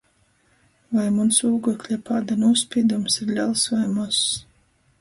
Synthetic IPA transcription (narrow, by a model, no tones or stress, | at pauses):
vajmunsuːɡɔklʲɛpaːd̪anuɔspʲiːd̪umsiɾlʲalˠsvajmus